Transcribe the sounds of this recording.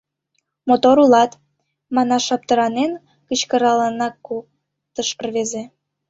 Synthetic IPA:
mot̪oɾulɑt̪ | mɑnɑʃɑp̚t̪əɾɑnen | kət͡ɕkə̆ɾɑlɑnɑkːuk̚ | t̪əʃərβeze

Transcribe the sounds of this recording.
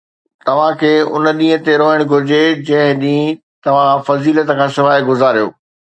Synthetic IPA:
t̪ɐʋ̤ãkʰeːʊ̰nə̆ɗĩːɦə̃t̪eɾoːɪɽ̃ɡʱʊɾɪd͡ʑed͡ʑɐ̃ɦɪ̃ɗĩː | t̪ɐʋ̤ãfɐziːlət̪əkʰãːsɪʋaːɪɡʊzaːɾijo̰ː

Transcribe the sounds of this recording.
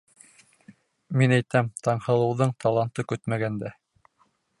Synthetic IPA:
minæjt̪æmt̪ɑɴhɤ̆lˠɤ̆wðɤɴt̪ɑlˠɑnt̪ɤkɵt̪mæɡænd̪æ

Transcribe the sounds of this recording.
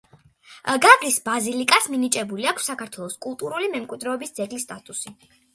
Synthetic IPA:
ɡaɡlisbazilikʼasminit͡ʃʼɛbuliakʰsːakʰaɾt̪ʰwɛlˠɔskʼulˠt̪ʼuɾulimɛmkʼwid̪ɾɛɔbisd̪zɛɡlist̪ʼat̪ʼusi

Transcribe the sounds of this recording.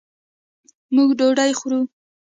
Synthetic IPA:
muɡɖoɖajxɾu

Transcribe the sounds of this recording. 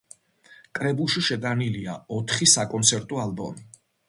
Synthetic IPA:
kʼɾɛbulˠʃiʃɛd̪aniliaɔt̪ʰχisakʼɔnt̪sʰɛɾt̪ʼɔalbɔ̰mi

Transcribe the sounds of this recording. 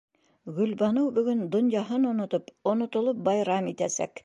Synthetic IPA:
ɡɵ̆lbɑnɤwbɵ̆ɡɵnd̪ŏnjɑɦɤnŏnŏt̪opŏnŏt̪ŏlˠop̚bɑjɾɑmit̪æsæ̰k

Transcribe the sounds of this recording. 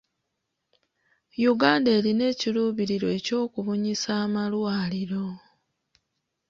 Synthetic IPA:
juɡaːndeːline̞ːciluːβiɾiɾo̞eco̞ːkuβuɲisaːmalwaːliɾo̞

